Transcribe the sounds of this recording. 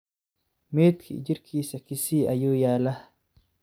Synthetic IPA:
meːt̪kʰḭd͡ʒiɾkʰiːsɐkisiːʔɐjuːjaːlɐh

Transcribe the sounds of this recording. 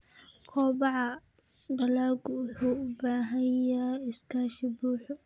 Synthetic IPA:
kʰɔːbɑʕɑ | ɖɐlaːɡʊwʊħuːʊbaːɦɐjaɪst̪ʰaːʃɪbuːħʊ

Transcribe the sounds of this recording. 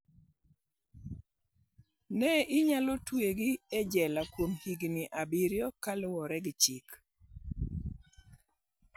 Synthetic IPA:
nɛʔɪɲalɔtweɡɪɛd͡ʒɛlakwomhiɡnɪʔabiɾjɔkalʊwɔɾɛɡɪt͡ʃik

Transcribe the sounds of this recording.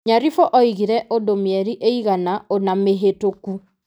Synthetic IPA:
ɲaɾifɔʔɔiɣiɾɛʔodomjɛɾiʔeiɣanaonameɦetoku

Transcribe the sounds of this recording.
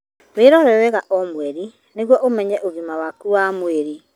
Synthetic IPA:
weɾɔɾɛwɛɣaʔɔmwɛɾi | neɣwɔʔomɛɲɛʔoɣimawakuwaːmweɾi

